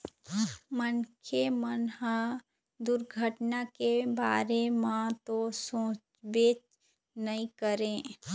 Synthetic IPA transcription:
mənkʰemənɦã | d̪ʊɾɡʱəʈnakebaːɾemãt̪osõːt͡ʃbeːt͡ʃ | nəĩkəɾẽː

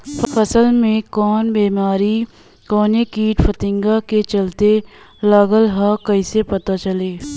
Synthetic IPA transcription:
ffʰɐsəlmẽkɔːnbeːmaːɾi | kɔːnekiːʈfət̪ɪ̃ŋɡaket͡ʃɐlt̪e | laɡəlɦakɐisepɐt̪at͡ʃɐleː

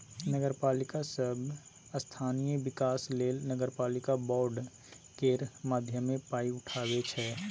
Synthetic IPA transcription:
nəɡəɾpaːlɪkasəb | əst̪ʰaːnijəʋɪkaːsleːlnəɡəɾpaːlɪkabɔːɾɖ | keɾmaːd̪ʱjəmẽpaːiʊʈʰaːwet͡ʃʰɛː

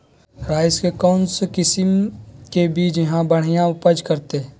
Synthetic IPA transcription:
ɾaːskekɔːnskɪsɪmkebiːt͡ʃjɐɦãbəɽ̤ijãʊpəd͡ʒkəɾt̪e

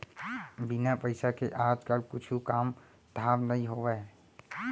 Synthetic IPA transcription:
bɪnapəɪsakeʔaːd͡ʒkəlkʊt͡ʃʰukaːm | d̪̥ʱaːʋnəɦĩɦoːʋɛ

